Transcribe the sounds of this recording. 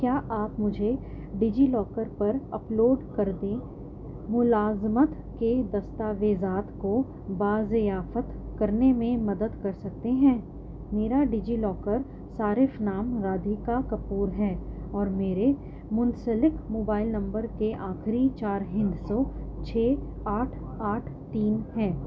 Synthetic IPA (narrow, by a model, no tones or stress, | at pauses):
kjaːʔaːpmʊd͡ʒʱe | ɖɪd͡ʒilɔːkəɾpɐɾɐploːɖkɐɾd̪ẽ | mʊlaːzmət̪ | ked̪ɐst̪aːʋeːzaːt̪ko | baːzɪjaːfət̪kɐɾnemẽmɐd̪əd̪kɐɾsɐk̚t̪eɦɛ̃ː | meːɾaɖiːd͡ʒilɔːkəɾ | saːɾɪfnaːmɾaːd̪ʱikakɐpuːɾɦɛːɔːɾmeːɾe | mʊ̃nsəlɪkmoːbaːɪlnɐ̃mbəɾkeʔaːxɾit͡ʃaːɾɦɪ̃nd̪sɔt͡ʃʰeː | aːʈʰ | aːʈʰt̪iːnɦɛː